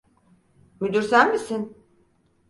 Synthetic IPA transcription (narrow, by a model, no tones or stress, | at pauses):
myd̪yɾsænmisin